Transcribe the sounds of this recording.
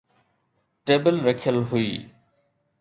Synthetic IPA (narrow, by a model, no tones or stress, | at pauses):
ʈeːbəlɾəkʰjəlɦʊḭː